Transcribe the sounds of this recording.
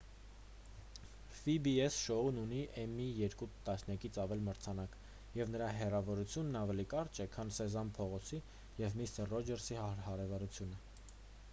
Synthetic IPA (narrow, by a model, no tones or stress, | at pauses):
fibiɛsʃɔununiʔɛmijɛɾkut̪ɑsnjɑkit͡sʰɑvɛlməɾt͡sʰɑnɑk | jɛvnəɾɑɦɛrɑvɔɾut͡sʰjunːɑvɛlikɑɾt͡ʃʰɛkʰɑnsɛzɑnpʰɔʁɔt͡sʰi | jɛvmist̪ərːɔd͡ʒɛɾsihɑɾɛvɑɾut͡sʰjunə